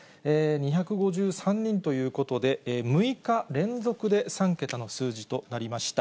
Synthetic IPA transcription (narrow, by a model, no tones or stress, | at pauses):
eːɲ̟içakɯ̟ɡo̞ʑɨːsãɲ̟ːĩnt̪o̞jɯ̟ːko̞t̪o̞d̪e̞ːmɯ̟ikaɾẽ̞nd͡zo̞kɯ̟d̪e̞sãŋke̞t̪ano̞sɨːʑit̪o̞naɾʲimaɕi̥t̪a